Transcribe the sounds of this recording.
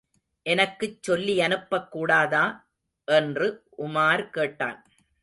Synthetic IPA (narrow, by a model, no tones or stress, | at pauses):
ʔɛnɐkːɯt͡ʃːɔlːiɐnɯpːɐkːuːɽaːðaː | ʔɛndrɯʔʊmaːɾkeːʈːa̰ːn